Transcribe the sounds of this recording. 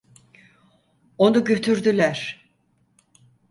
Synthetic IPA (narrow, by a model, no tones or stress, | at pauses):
o̞nuɟø̞t̪ʰyɾd̪ylʲæɾ̥